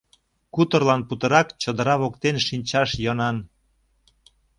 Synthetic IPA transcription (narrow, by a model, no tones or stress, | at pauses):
kut̪ərlɑnput̪ə̆ɾɑkt͡ɕəd̪ə̆ɾɑβokt̪enʃinʲt͡ɕɑʃjənɑn